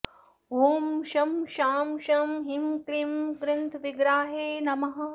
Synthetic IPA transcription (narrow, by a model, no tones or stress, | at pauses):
ʋuːmʃɐmʃaːmʃɐmɦimklimɡɾɪnt̪ʰʋiɡɾaːɦeːnɐmɐɦɐ̆